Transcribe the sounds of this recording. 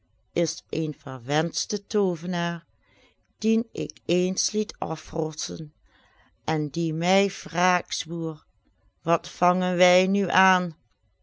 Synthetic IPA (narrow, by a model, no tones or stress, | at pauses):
ʔɪsenvəɹʋɛnstətoːvənaːɹ | d̥inɪ̰keːnslitʰɑ̰frɔsə̰n | ʔɛndimɛjv̥raːksʋuːɹ | ʋɑtfɑŋənʋɛjnyʔaːn